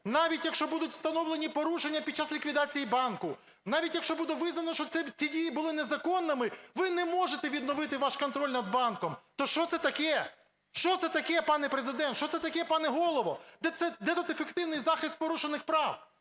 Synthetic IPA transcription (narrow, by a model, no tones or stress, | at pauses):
nɑʋʲitʲjɐkʃt͡ʃɔbud̪ʊtʲʋ̥st̪ɐnɔwlˠenʲipɔɾuʃenʲːɐpʲid̥̪̚t͡ʃɑslʲikʋʲid̪ɑt͡sʲijibɑnkʊ | nɑʋʲitʲjɐkʃt͡ʃɔbud̪ɛʋɪznɐnɔʃt͡ʃɔsɛt͡sʲidʲijibʊlˠɪnezɐkɔnːɪmɪʋɪnɛmɔʒet̪ɛʋʲid̪nɔʋɪt̪ɪʋɑʃkɔnt̪ɾɔlʲnɐd̪̚bɑnkɔmt̪ɔʃt͡ʃɔt̪sɛt̪ɐkɛ | ʃt͡ʃɔt̪sɛt̪ɐkɛpɑnɛpɾezɪd̪ɛnt̪ʃt͡ʃɔt̪ɛt̪ɐkɛpɑnɛɦɔlˠɔʋɔd̪ɛt̪sɛd̪ɛt̪ut̪efekt̪ɪwnɪjzɑxɪst̪̚pɔɾuʃenɪxpɾɑw